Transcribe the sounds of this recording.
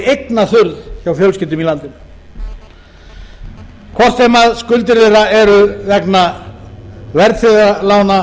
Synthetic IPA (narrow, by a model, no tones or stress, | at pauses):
ejknaθʏɾðçawfjœwlscɪt̪ʏmilant̪ɪm | kʰɔr̥t̪ejmaðskʏlt̪ɪɾðeɾaɛɾʏvɛkna | vɛɾt̪θɪðalawna